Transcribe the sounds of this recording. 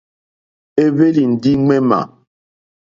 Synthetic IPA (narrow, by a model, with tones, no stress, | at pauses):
e˦βe˦li˨n̩˨di˦ŋɛ˦ma̰˨